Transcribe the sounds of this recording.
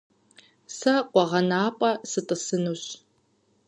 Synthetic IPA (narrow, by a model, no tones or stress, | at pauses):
sɐqʷɔʁɐnaːpʼɐsɨtʼɨsɨnuɕ